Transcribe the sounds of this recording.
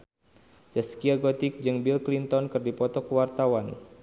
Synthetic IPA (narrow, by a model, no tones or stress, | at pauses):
sɛskiaɡɔt̪ik̚d͡ʒɨŋbilklint̪ɔnkɨrdipɔt̪ɔkəwart̪awan